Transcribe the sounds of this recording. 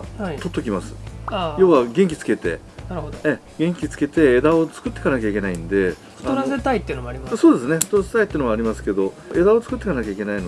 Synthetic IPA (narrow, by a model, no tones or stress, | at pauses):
t̪o̞t̪ːokʲimasɨ̥ajo̞ːβaɡẽ̞ŋkʲi̥t͡sɨ̥ke̞t̪e̞̰ | oe | ɡẽ̞ŋkʲit͡sɨ̥ke̞t̪e̞ːd̪ao̞t͡sɨ̥kɯ̟t̪ːekanakʲaikʲe̞naĩnd̪e̞̥ | aoɾaset̪ait̪ːeiɯ̟nmoaɾimasso̞ːd̪e̞sɨneɸɯ̥t̪oɾase̥t̪ait̪ːeɯnoaːɾʲimasɨ̥ke̞d̪o̞ʔe̞d̪ao̞t͡sɨ̥kɯt̪ːe̞kanakʲaikʲe̞naino